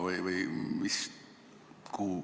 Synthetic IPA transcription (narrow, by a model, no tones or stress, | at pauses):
vɯjvɯjmis | kuː